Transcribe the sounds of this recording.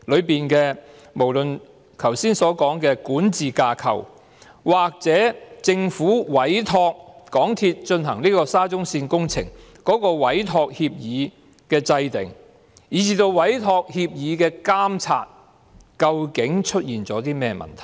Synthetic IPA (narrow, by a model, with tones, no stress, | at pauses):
lɵ˨˧ɥpiː˨nkɛː˧ | mo˨˩wlɵ˨n | kʰɐ˨˩wsiː˥nsɔː˨˥kɔː˨˥ŋkɛː˧kuː˨˥nt͡siː˨kaː˧kʰɐ̰˨˩w | waː˨k̚t͡sɛː˨˥t͡sɪ˧ŋfuː˨˥wɐ˨˥jt̪ʰɔː˧k̚kɔː˨˥ŋt̪ʰiː˧t̚t͡ʃɵ˧nɦɐ˨˩ŋniː˥kɔː˧saː˥t͡sʊ˥ŋsiː˧nkʊ˥ŋt͡sʰɪ̰˨˩ŋkɔː˨˥kɔː˧wɐ˨˥jt̪ʰɔː˧k̚hiː˧p̚jiː˨˧ | kɛː˧t͡sɐ˧jt̪ɪ̰˨˩ŋ | jiː˨˧t͡siː˧t̪o˧wwɐ˨˥jt̪ʰɔː˧k̚hiː˧p̚jiː˨˧kɛː˧kaː˥mt͡sʰa̰ː˧t̚ | kɐ˧wkɪ˨˥ŋt͡ʃʰɵ˥t̚jiː˨nt͡sɔː˨˥t̪iː˥mɛː˥mɐ̰˨˩nt̪ʰɐ˨˩